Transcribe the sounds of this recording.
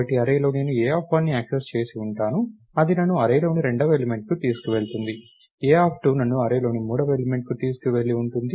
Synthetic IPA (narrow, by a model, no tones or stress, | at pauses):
ɐʈiɐɾɐjlo̞ːne̞ːnueːaːpʰɐnːiaːksest͡ʃe̞ːsiuɳʈaːnu | ɐd̪inɐnːuɐɾɐjlo̞ːniɾe̞ɳɖɐʋelime̞ɳʈ̚kut̪iːsu̥kuʋe̞ɭt̪und̪i | eːaːpʰʈuːnɐnːuɐɾɐjlo̞ːnimuːɽɐʋelimeɳʈ̚kut̪iːsu̥kuʋe̞ɭːiuɳʈund̪i